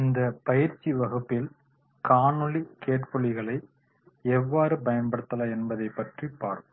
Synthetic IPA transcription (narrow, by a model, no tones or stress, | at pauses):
ɪnd̪ɐpɐjɪɾt͡ʃːiʋɐɣɯpːɪl | kaːnɯɭikeːʈpɔɭːɪɣɐɭɐɪ | ɛʋːaːɾɯpɐjɐnbɐɽɯt̪ːɐlaːɛnbɐðɐɪpːɐʈripːaːɾkɯ